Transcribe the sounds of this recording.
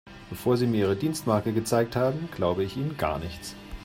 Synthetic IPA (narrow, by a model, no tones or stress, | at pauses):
b̥əfoːɐziːmiːɐiːʁədiːnstmaɐkəɡət͡saɪk̚thaːbm̩ɡ̥laʊbəɪçʔiːnənɡa̰ːɐnɪçt͡s